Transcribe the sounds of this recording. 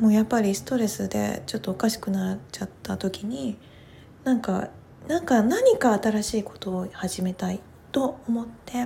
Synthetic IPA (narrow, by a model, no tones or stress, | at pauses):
mo̞ːjapːaɾʲisɨ̥t̪o̞ɾe̞sɨd̪e̞̰t͡ɕo̞t̪ːo̞ːkaɕi̥kɯ̟nat͡ɕat̪ːat̪o̞kʲiɲ̟i | nãŋka | nãŋkanaɲ̟ikaːt̪aɾaɕiːko̞̥t̪o̞ːhaʑime̞t̪ai | t̪o̞omo̞t̪ːe̞